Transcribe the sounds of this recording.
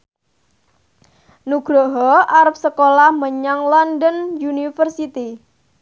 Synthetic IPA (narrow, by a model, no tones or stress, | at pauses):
nuɡ̥ɾɔɦɔaɾəp̚səkolahməɲaŋlɔndənjunifərsit̪i